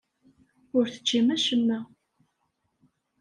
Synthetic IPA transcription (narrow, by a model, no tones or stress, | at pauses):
ʊɾθə̥t͡ʃːimæʃəmːæ